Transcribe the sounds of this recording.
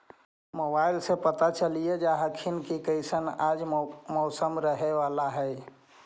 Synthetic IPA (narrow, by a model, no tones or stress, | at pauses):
mobailsepət̪at͡ʃəlijed͡ʒaɦəkʰinkikəɪsənad͡ʒmɔʊsəmɾəɦeʋalaɦəj